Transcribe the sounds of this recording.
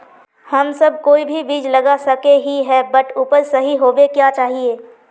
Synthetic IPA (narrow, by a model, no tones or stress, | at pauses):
hɐmsɐb̚koːibʱibiːd͡ʒlɐɡasɐkeɦiɦɛbɐʈuːpəɾsɐɦiɦoːʋekjat͡ʃaːɦieː